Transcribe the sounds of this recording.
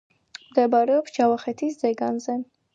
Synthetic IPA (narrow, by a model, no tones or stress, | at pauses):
md̪ɛbaɾɛɔpsd͡ʒavaχɛt̪ʰiszɛɡanzɛ